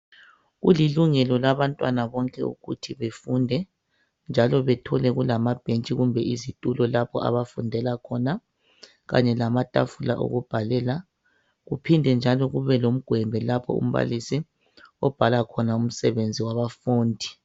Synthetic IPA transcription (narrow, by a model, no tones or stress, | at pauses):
ɣuliluŋɛlɔlaβantʼwanaβɔŋkʼɛ̰ṵɣṵtʰiβefundʱɛ | nd͡ʒʱalɔβɛtʰɔlɛɣulamab̥ʱent͡ʃʼiɣumbʱɛizitʼulɔlapʰɔʔa̰βafundʱɛlakʰɔna | ɣa̰ɲɛlamatʼa̰fula̰ʔo̰ɣub̥ʱalɛːla | ɣupʰindʱɛnd͡ʒʱalɔɣuβɛlom̩ɡ̥ʱwɛmbʱɛlapʰɔ̰ṵm̩βa̰lisi | ɔb̥ʱalakʰɔnaum̩sɛβend͡zʱiwaβafuːndʱi̥